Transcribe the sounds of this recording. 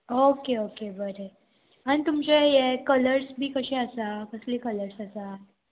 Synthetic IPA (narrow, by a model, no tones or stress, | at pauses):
okeokebəɾe | añit̪umt͡ɕajekələɾsbʱiːkəɕiəsakəsliːkələɾsəsa